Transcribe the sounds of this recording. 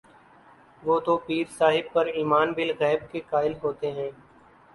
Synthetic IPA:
ʋoːd̪oːpiːɾsaːɦɪb̚pɐɾiːmaːnbɪlɣɛːb̚kekaːɪlɦoːt̪eɦɛ̃ː

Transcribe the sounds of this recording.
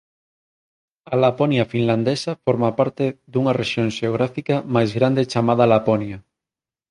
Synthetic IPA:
alaponjafinlãnd̪esafoɾmapaɾt̪eðuŋareʃjoŋʃeoɣ̞ɾafikamajzɣɾand̪et͡ʃamað̞alaponja

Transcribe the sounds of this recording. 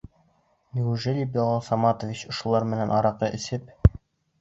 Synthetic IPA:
nʲiuʒɘlʲibolˠɑlˠsɑmɑt̪ŏvʲit͡ɕŏʃŏlˠɑɾmɘ̆nænʔɒɾɑqɤʔɘ̆sɘp̚

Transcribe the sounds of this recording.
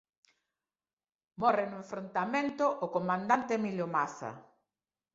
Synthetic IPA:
mɔrenʊẽɱfɾont̪amẽnt̪ʊʔːkomãnd̪ant̪eːmilʊmaθɐ̰

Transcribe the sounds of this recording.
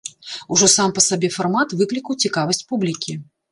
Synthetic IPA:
uʐɔsampɐsabʲɛfarmat̪vɨklʲikɐwt͡sʲikavɐsʲt͡sʲpublʲikʲi

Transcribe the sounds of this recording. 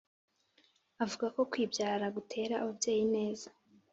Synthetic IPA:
avuɡako̞kwiːbjaːɾaɡutʰe̞ːɾaʔβubje̞ːjine̞ːzḁ

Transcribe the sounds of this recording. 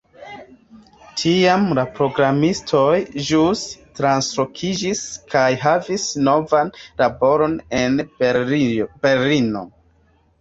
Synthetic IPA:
tʰiamlapɾo̞ɡɾamistʰo̞jʒustɾanslo̞kʰid͡ʒiskʰajɦavisno̞vanlabo̞ɾo̞nenib̥elino̞̰

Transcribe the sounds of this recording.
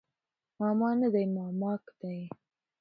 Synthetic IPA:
mɑmɑnad̪ajmɑmɑkd̪̥aj

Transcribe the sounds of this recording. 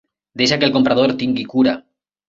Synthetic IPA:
d̪eʃ̬akelko̞mpɾaðoɾt̪iŋɡikuɾa

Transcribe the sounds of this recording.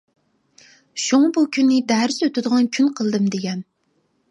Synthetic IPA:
ʃuŋɑbukʲʰynːɪd̪æɾɪsøt̪ʰɪd̪əʁɑnkʲʰynqʰəlˠd̪ɨmd̪eɡʲɛn

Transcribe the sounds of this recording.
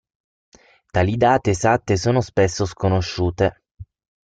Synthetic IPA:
t̪aːlid̪aːt̪eːsat̪ːesoːnospesːoskonoʃːuːt̪e

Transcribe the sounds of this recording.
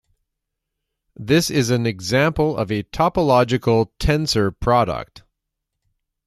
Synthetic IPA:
ðɪsɪzɨ̃nɨɡzæ̃mpl̩ˠʌ̰vɨtʰɑpəlɑd͡ʒɨkl̩ˠtʰɛ̃nsə˞pʰɹ̥ɑɾə̰k̚t̚

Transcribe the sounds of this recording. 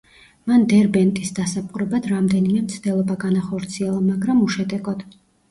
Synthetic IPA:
mand̪ɛɾbɛnt̪ʼisd̪asapʼuɾɛbad̪ɾamd̪ɛnimɛmt̪sʰd̪ɛlˠɔbaɡanaχɔɾt̪sʰiɛlˠamaɡɾamuʃɛd̪ɛɡʼɔd̪̥

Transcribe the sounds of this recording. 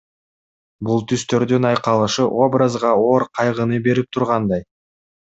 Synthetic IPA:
bulˠt̪ʰyst̪ø̞ɾd̪ynɑjqɑlˠɯʃɯʔo̞brazʁɑo̞ɾqʰɑjʁɯnɯbe̞ɾip̚t̪ʰuɾʁɑnd̪ɑj

